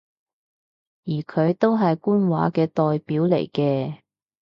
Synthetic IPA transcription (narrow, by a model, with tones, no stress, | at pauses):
jiː˨˩kʰɵ˨˧ɥt̪o˥wɦɐ˨jkuː˥nwa̰ː˨˥kɛː˧t̪ɔː˨jpiː˨˥wlḛ˨˩jkɛː˧